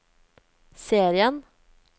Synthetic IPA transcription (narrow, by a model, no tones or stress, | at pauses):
seːɾɪən